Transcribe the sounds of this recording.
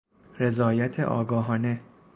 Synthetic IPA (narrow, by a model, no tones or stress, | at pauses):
ɾe̞zɒːjæt̪ʰḛʔɒ̰ːɡɒːɦɒːne